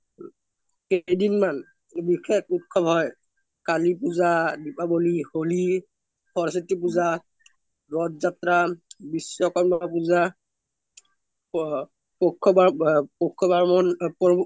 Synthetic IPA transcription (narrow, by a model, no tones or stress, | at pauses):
xejdinman | bikʰekut̚kʰɔbɦɔj | kalipuzadipaboliholi | pʰɔɹsitip̬uza | ɹɔdzatɾabisːɔkɔnmap̬uza | pɔkʰːɔbapɔkʰːɔbaɹmɔnpɔ